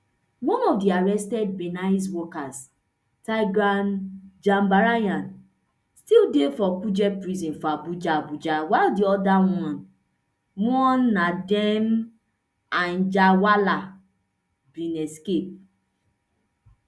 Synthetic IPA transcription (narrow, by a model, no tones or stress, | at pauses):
wɔ̃nɔfdiaɹɛstɛd̚benaswɔkas | tajɡand͡ʒãmbaɾajãn | stildefɔkud͡ʒɛpɹizĩnfɔabud͡ʒaabud͡ʒawaɪldiɔdawɔ̃n | wɔ̃nːadɛm | ãnd͡ʒawala | bĩnɛskep̚